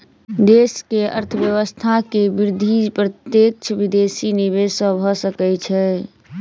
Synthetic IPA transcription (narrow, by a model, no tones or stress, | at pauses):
d̪eskeə̰ɾt̪ʰəbjəʋəst̪ʰakebiɾd̪ʱipɾət̪jek̚t͡ʃʰbid̪esiniβezsə̃bʱɔsəkɛt͡ʃʰɛ